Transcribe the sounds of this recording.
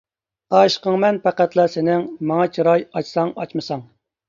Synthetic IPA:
ɑʃqəŋmɛnpʰæqæt̪lˠɑsɪnɪŋmɑŋɑt͡ʃʰiɾɑjɑt͡ʃsɑŋɑ̰t͡ʃmɨsɑŋ

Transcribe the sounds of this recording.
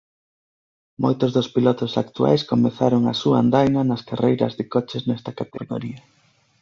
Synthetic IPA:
mojt̪ozðospilɔt̪osakt̪ua̰jskomeθaɾoŋa̰sua̰and̪ajnɐnɐskarejɾɐ̰zðɪkɔt͡ʃeznɛst̪akat̪eɣo̰ɾiɐ

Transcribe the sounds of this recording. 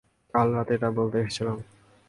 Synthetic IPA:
kalɾat̪eʈabolt̪eeʃet͡ɕʰilam

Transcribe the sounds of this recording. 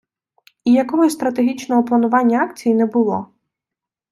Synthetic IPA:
ijɐkɔɦɔsʲst̪ɾɐt̪eɦʲit͡ʃnɔɦɔplˠɐnʊʋɑnʲːɐɑkt͡sʲijinɛbʊlˠɔ

